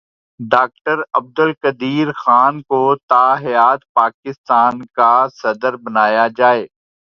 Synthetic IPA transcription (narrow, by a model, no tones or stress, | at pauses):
ɖaːk̚ʈəɾɐb̚d̪əlkəd̪iːɾxaːnkot̪aːɦɪjaːt̪paːkɪst̪aːnkasɐd̪əɾbɐnaːjad͡ʒaːeː